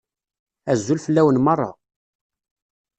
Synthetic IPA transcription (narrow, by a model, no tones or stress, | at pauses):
æzːulfəlːæwənmɑrˤːɑ̰